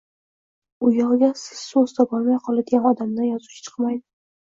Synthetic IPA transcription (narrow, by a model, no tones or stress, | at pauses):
ʊjɒʁɡʲasɪ̥z̥ːozt̪ʰabɒlˠmajqʰɒlˠad̪ɪɡʲanɒd̪amd̪anjɒzuwt͡ʃʰɪ̥t͡ʃʰɨ̥qmajd̪ɪ